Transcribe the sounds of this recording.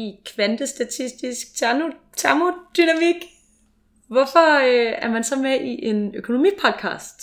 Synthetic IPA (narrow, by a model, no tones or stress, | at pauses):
ikʰʋænd̥əsd̥æt͡sʰisd̥isɡ̥̚t͡sʰæno | t͡sʰæɐmod̥ynæmiɡ̥ | ʋɒfɒøæɐmænsɒ̽meʔiʔe̝nøkʰo̝no̝mḭpʰɒ̽d̥̚kʰɑ̰̈ːsd̥